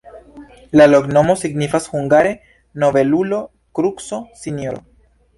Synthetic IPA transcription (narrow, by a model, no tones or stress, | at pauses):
laloɡnomosiɡnifasxuŋɡaɾe | noβelulo | kɾuksosinjoɾo̰